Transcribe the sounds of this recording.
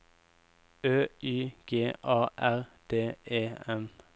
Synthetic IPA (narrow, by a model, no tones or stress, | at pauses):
øːyːɡ̥eːʔɑːʔæʁd̪̥eːʔeːɛm